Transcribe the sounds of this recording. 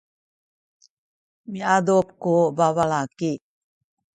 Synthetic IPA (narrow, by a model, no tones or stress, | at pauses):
miadop̚kubavalaki